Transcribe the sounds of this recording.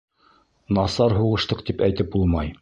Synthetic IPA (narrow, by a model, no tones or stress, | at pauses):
nɑsɑɾɦuʁɤ̆ʃt̪ɤqt̪ipæjt̪ɘp̚bulˠmɑj